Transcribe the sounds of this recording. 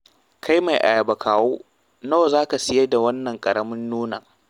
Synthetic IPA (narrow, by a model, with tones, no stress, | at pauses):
kʰa˦jma˨jʔa̰˨ja˨bɐ˨kʰaː˨woː˦ | noː˦zaː˦ka˨sɪ˦je˦da˨wɐ˦nːɐ˨ŋkʼɐ˨ɽɐ˦mɪ˦nːuː˦na˨